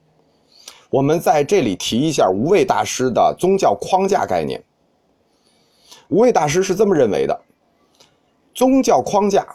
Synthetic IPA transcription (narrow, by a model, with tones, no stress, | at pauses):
wɔ˨˩mə˦nt͡sa˥˧ɪʈ͡ʂɤ˥˩li˨˩t̪ʰi˧˥i˧˥ɕ̬ja˥˩u˧˥we˥˧ɪt̪a̰˥˩ʂɻ̩˥d̪ə̰˨t͡sʊ˥ŋt͡ɕjɑ˥˩ʊkʰwɑ˥ŋt͡ɕja̰˥˧ka˥˧ɪnjɛ̰˥˩n | u˧˥we˥˧ɪt̪a˥˩ʂ̬ɻ̩˥ʂɻ̩˥˧t͡sɤ˥˩mə˩ɻə˥˩nwḛ˧˥ɪd̪ə̰˧ | t͡sʊ˥ŋt͡ɕjɑ˥˩ʊkʰwɑ˥ŋt͡ɕja̰˥˩